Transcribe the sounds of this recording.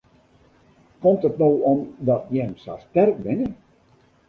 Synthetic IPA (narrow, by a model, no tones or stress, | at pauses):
kɔmtətnoːɔmdɔtjəəmsa̰stɛrk̚ʋɪnə